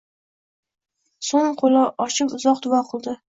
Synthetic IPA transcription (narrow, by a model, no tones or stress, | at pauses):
soŋqʰolaʔɒt͡ʃʰɪpʊzɒq̚d̪ʊwɒqʰɨlˠd̪ɪ